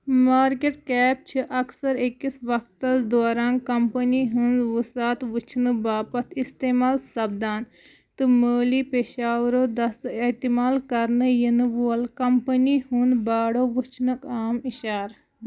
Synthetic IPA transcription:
maːɾkeʈkɛːp̚t͡ʃʰiʔɐksɐɾekːisʋɐk̚t̪ɐsd̪oːɾaːnkɐmpəniɦunʋusaːt̪ʋut͡ʃʰnɨbaːpɐt̪ʰist̪eːmaːlsɐbd̪aːn | t̪ɨmoːliːpeʃaːʋɾoːd̪ɐset̪imaːlkɐɾnɨjinɨʋuɐlkɐmpəniɦund̪baːɽoːʋut͡ʃʰnɐkaːmiʃaːɾ

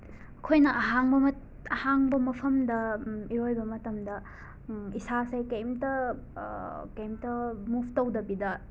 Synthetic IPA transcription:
ɐkʰojnɐʔɐɦaŋbɐmɐt | ɐhaŋbɐmɐpʰɐmdɐiɾojbɐmɐtɐmdɐ | isasɐjkɐjmtɐ | kɐjmtɐmupʰtɐwdɐbidɐ

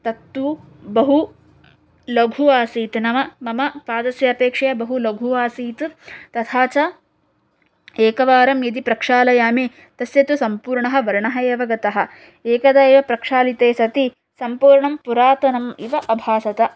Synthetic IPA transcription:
t̪ɐt̪ːu | bɐɦu | lɐɡʱuaːsiːt̪nɐmɐmɐmɐpaːd̪ɐsjɐɐpeːkʂɐjɐbɐɦulɐɡʱuaːsiːt̪t̪ɐt̪ʰaːt͡ʃɐ | eːkɐʋaːɾɐmjɐd̪ipɾɐkʂaːlɐjaːmi | t̪ɐsjɐt̪usɐmpuːɾɳɐɦɐ̆ʋɐɾɳɐɦɐjɐʋɐɡɐt̪ɐɦɐ̆ | eːkɐd̪aːiʋɐpɾɐkʂaːlit̪eːsɐt̪i | sɐmpuːɾɳɐmpuɾaːt̪ɐnɐmiʋɐʔɐbʱaːsɐt̪ɐ

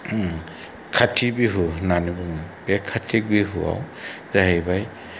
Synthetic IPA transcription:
kʰatʰibiɦunanɯbɯŋabɛkʰːatʰik̚biɦua̰w | zaɦejbaj

